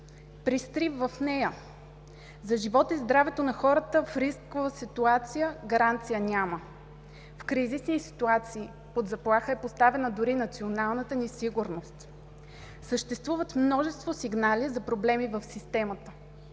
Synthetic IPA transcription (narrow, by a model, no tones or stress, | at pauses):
pɾist̪ɾivvɐfnɛjə | zɐʒivɔt̪izd̪ɾavɛt̪onɐxɔɾət̪əfɾiskovəsit̪uat̪sijəɡɐɾant̪sijənʲamə | fkɾizisnisi̥t̪uat̪siː | pod̪zɐplˠaxəɛpost̪avɛnəd̪ʊɾinɐt̪sionalˠnət̪ənisiɡuɾnost̪ | səʃt̪ɛst̪vuvət̪mnɔʒɛst̪vosiɡnalizɐpɾoblɛmivəfsist̪ɛmət̪ə